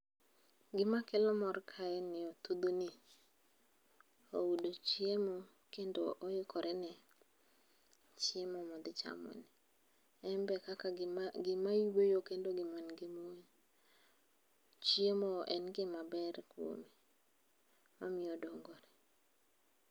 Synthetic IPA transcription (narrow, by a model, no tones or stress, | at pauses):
ɡɪmakɛlɔmɔrkʰaɛnɪɔt̪ud̪oni | owudot͡ʃjemo | kendoʔɔjɪkɔɾʔɛnɛ | t͡ʃjemɔmɔd̪ɪt͡ʃa̰mɔ̰nɛ | ɛmbɛkakaɡɪmajwojokendoɡɪmɔnɡɪmon | t͡ʃjemoʔɛnɡɪmabɛɾkwo̰me | mamɪodoŋɡoɾɛ